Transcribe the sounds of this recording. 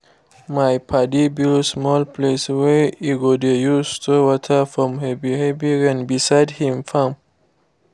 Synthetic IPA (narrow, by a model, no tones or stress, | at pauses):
majpʰadibilsmɔlpʰlesweiɡodejust̪ʰowɔtʰəfɹɔ̃mhəbihevjəɹæ̃nbisajdhĩmfãm